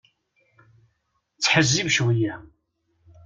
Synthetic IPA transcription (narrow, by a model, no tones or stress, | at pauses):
t͡sːħəzːivʃwijæ